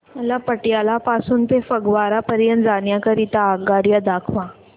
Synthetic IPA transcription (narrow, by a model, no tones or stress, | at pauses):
məlapəʈjalapasuːnt̪efəɡʋaɾapəɾjənt̪d͡zaɳjakəɾit̪aːɡaɾjəd̪akʰʋã